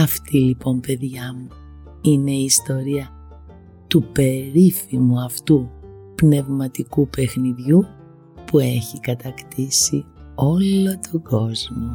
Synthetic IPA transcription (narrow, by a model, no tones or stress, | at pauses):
ɐft̪ilipo̞mpe̞ðʝɐmu | ine̞iːst̪o̞ɾiɐ | t̪upe̞ɾifimuɐft̪upne̞vmɐt̪ikupe̞xniðʝu | pue̞çikɐt̪ɐkt̪isio̞lo̞t̪ʰoɡo̞zmo